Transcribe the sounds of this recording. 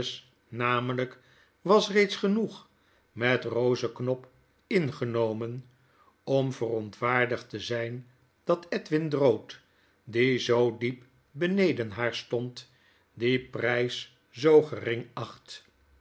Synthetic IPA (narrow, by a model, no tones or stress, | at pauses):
s | naːmələk | ʋɑsrejtsχənuχ | mɛtrowzəknɔp | ɪnχənowmən | ɔmvərɔntʋaːɹdəχtəzɛjn | d̥ɑtɛtʋɪndrowt | dizowdip | bənejdənɦaːɹstɔnt | diprɛjs | zowχərɪŋɑχt